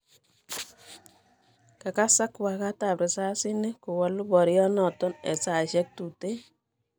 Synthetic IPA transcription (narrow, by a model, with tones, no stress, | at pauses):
ka˨ka˦sa˦kwa˨ka˦ta˨pɾɛ˨sa˦sɪ˦ne˦kʊ˨wa˦lʊ˦bɔ˨ɾjɔ˦nɔ˨tɔ˦nɛ̰˨sa˨ʃɛ˦k̚tu˨te˦